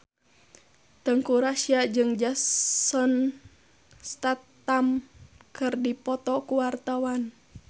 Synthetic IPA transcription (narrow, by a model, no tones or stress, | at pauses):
t̪əŋkuɾasiad͡ʒɨŋd͡ʒassɔn | st̪at̪ːamkɨrdipɔt̪ɔkuwart̪awan